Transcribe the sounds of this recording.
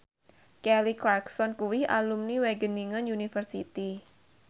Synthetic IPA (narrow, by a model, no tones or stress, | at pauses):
kɛliklarksɔnkuwɪha̰lumniweɡəniŋənunifərsḭt̪i